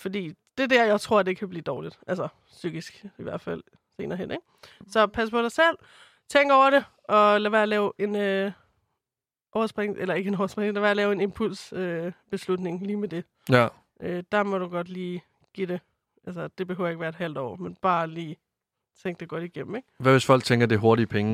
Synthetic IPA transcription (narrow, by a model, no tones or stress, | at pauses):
fɒd̥ḭːd̥e̝d̥æɐ̰jɑ̈ɪt͡sʰʁo̝ɐ̰d̥ekʰæb̥lḭːd̥ɒːlid̥ʔælsɐ | syɡ̥isɡ̥iʋæɐ̰d̥fæl̰ | se̝̰ːnɐɦen̰eɡ̥sɒ̽pʰæs̬əpʰɒ̽ɾɑ̈ɪsel̰ | t͡sʰeŋ̰ɡ̥ɒʊɐɾe̝ | ʔɒ̽læʋæɐɐlɛːʊʔe̝n | ʔɒʊɐsb̥ʁeŋʔelɐe̝ɡəe̝nɒʊɐsb̥ʁeŋ̩læʋæɐlɛːʊe̝ne̝mpʰul̰søb̥e̝slud̥ne̝ŋliːmed̥e̝ | ʔød̥ɑ̈mɒ̽ɾ̥uɡ̥ɒ̽d̥liː | ɡ̥id̥e̝ | ælsɐd̥e̝b̥e̝høʊjeɡ̥ʋæːɐed̥ɦæl̰d̥ɒ̰ːmenb̥ɑ̈ːliː | t͡sʰeŋɡ̥̚d̥eɡ̥ɒ̽ɾ̥iɡ̥em̰m̩eɡ̥ʋæʋe̝sfɒ̽l̰ɡ̥̚t͡sʰeŋɡ̥ɐd̥e̝ɦo̝ɐɾipʰeŋ